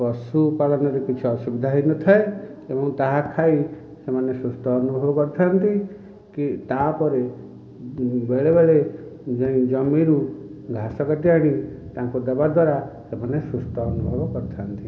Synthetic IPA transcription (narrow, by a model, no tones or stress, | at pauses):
pɔsupalɔnɔɾekit͡ʃʰuɔsubid̪ʱaɦinɔt̪ʰae | ebɔŋt̪aɦakʰai | semanesɾust̪ʰɔːnubʱɔbɔkɔɾt̪ʰant̪i | kit̪apɔɾe | beɭebeɭed͡ʒẽĩd͡ʒɔmːiɾuɡʱasɔkaʈiaɽ̃it̪ãŋkud̪abad̪waɾasemanesust̪ʰɔːnubʱɔbɔkɔɾt̪ʰant̪i